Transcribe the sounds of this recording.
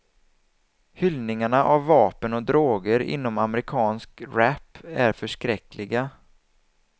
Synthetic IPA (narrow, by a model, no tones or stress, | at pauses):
hʏlnɪŋaɳaʔavːɑːpənɔd̪ɾoːɡəɾɪ̰nːɔmaməɾɪkʰɑːnskɾæpːæɾfœʂkɾɛklɪɡa